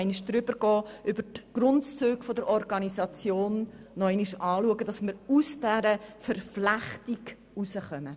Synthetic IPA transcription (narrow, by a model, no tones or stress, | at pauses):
ɪniʃd̥ɾʏbəɾɡ̥ɔːʔʏbəɾtɡ̥ɾʊntt͡søːɡfodəɾʔɔɾɡɑnisɑt͡sjoːnːɔɪniʃɑːluəɡədɑsməɾusd̥ɛɾəfəɾflæχtiɡ | usəχœmə